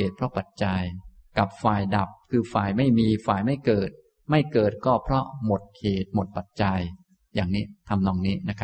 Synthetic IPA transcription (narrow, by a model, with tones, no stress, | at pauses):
eː˨˩t̪̚pʰɾɔ˦˥pa˨˩t̪̚t͡ɕa˧jka˨˩p̚faː˨˩jda˨˩p̚kʰɯː˧faː˨˩jma˥˩jmiː˧faː˨˩jma˥˩jkɤː˨˩t̪̚ | ma˥˩jkɤː˨˩t̪̚kɔː˥˩pʰɾɔ˦˥mo˨˩t̪̚hʰeː˨˩t̪̚mo˨˩t̪̚pa˨˩t̪̚t͡ɕa˧j | jaː˨˩ŋniː˦˥t̪ʰa˧mnɔː˧ŋniː˦˥na˦˥kʰ